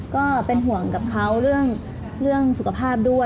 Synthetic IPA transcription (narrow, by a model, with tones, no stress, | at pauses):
kɔː˥˩pe˧nɦu˨˩˦əŋka˨˩p̚kʰa˦˥wɾɯ˥˩əŋ | ɾɯ˥˩əŋsu˨˩kʰa˧˥pʰaː˥˩p̚du˥˩ə